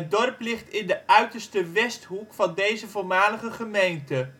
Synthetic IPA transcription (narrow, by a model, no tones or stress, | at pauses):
ədɔrplɪχtɪndəʔœɥtəɹstəʋɛstɦukfɑndejzəvʊːɹmaːləχəχəmejntə